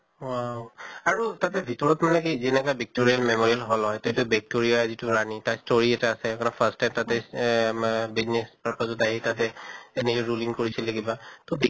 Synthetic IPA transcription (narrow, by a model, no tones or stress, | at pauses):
wawaɹutatɛbʱitɔɹɔtmanɛkizinɛkabɛk̚toɹialmemoɹialɦɔlɦɔjtetʊbɛk̚toɹijazitʊɹanitastoɹiɛtɛasɛkɔnapʰastajmtatɛ | biznɛspapazɔtaɦitatɛenikiɹuliŋkoɹisɛleɡibatɔbi